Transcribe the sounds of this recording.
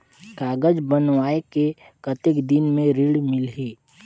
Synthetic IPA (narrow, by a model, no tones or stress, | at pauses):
kaːɡəd͡ʒbənʋaːeke | kət̪ɪkd̪ɪnmẽɾiɽmɪlɦiː